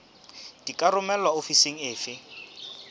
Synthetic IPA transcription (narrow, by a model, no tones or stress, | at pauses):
d̥ikʼarʊmɛlwaofiseŋ̩ɪːfɪ